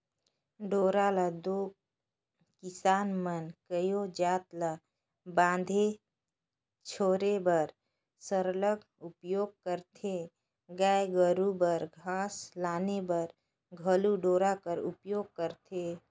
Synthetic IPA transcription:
ɖoːɾaləd̪oː | kɪsaːnmənkəjod͡ʒaːt̪lə | bãːnd̪ʱe | t͡ʃʰoːɾebəɾ | səɾləɡ | ʊpjoːɡ̚kəɾt̪ʰe | ɡaːjɡəɾubəɾɡʱãːslaːnebəɾ | ɡʱəluɖoːɾakəɾʊ̰pjoːɡ̚kəɾt̪ʰe

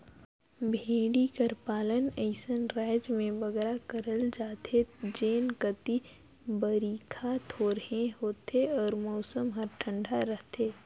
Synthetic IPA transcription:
bʱeːɽikəɾpaːləneːsənɾaːɪd͡ʒmẽbɐɡɾakəɾəld͡ʒaːt̪ed͡ʒeːnkət̪i | bəɾiːkʰat̪ʰoːɾəɦẽhoːt̪eɔːɾmɔːsəmɦəɾʈʰə̃ɳɖʱaɾəɦt̪ʰeː

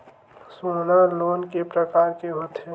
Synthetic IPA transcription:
sonaloːnkepɾəkaːɾkeɦot̪ʰe

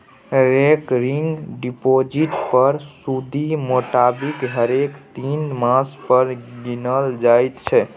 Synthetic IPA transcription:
ɾekɾiŋɡɖipod͡ʒiʈpəɾsud̪ʱimoʈabikɦəɾekt̪inmãspəɾɡinəld͡ʒajt̪t͡ʃʰɛ

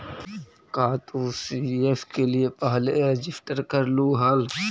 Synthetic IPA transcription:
kaːt̪uːsiːefkeliepɐɦleed͡ʒɪfʰʈəɾkəɾluːɦal

